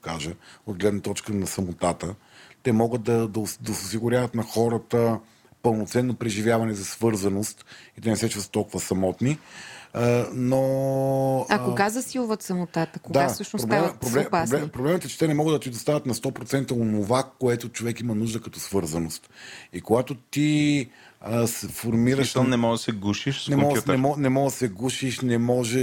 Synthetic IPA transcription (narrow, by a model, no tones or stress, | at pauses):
okaʒəod̪̚ɡlɛd̪nɐt̪ɔt͡ʃkənɐsɐmot̪at̪ə | t̪ɛmɔɡət̪̚d̪ɐd̪ɐd̪ɐsosiɡʊɾʲavət̪nɐxɔɾət̪ə | pəlˠnot̪sɛnːopɾɛʒivʲjavɐnɛzɐsvɤɾzɐnost̪it̪ɛnɛsɛt͡ʃusət̪ɔlˠkuvəsɐmɔt̪ni | no | akoɡazɐsilˠuvət̪sɐmot̪at̪əkod̪aasəʃnopɾobɛmpɾoblɛpɾlɛpɾoblɛmət̪ɛt͡ʃɛ̥t̪ɛnɛmɔɡəd̪ɐt̪id̪ost̪avʲət̪nɐst̪ɔpɾot̪sɛnt̪əonovakoɛt̪ot͡ʃovɛkimɐnuʒd̪əkɐt̪ɔsvɤɾzɐnost̪ikoɡat̪ot̪i | sfoɾmiɾəʃʃnɛmɔʒd̪ɐsɛɡuʃiʃnɛmɔuɛmɔnɛmɔɡd̪sɛɡuʃiʃnɛmɔʒɛ